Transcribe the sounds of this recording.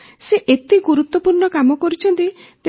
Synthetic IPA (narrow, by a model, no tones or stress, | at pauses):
seʔet̪iɡuɾut̪wɔpuɾɳɔkamɔkɔɾut͡ʃʰɔnt̪it̪e